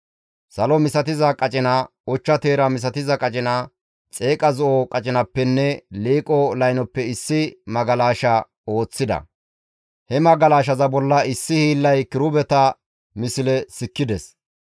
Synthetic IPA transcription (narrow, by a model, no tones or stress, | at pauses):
sɐlɔmɪsɐt̪ɪzɐkʼɐt͡ʃʼɪnɐ | ɔt͡ʃːɐt̪eːɾɐmɪs̬ɐt̪ɪzɐkʼɐt͡ʃʼɪnɐ | t͡sʼe̞ːkʼɐzɔʔɔkʼɐt͡ʃʼɪnɐpːɛnːɛleːkʼɔlɐjnɔpːɛɪsːɪmɐɡɐlaːʃɐ | o̞ːt͡sːɪd̪ɐ̰ | hɛmɐɡɐlaːʃ̬ɐzɐbɔlːɐɪsːɪhiːlːɐjkɪɾʊbɛt̪ɐ | mɪsɪlɛsɪkːɪd̪ɛs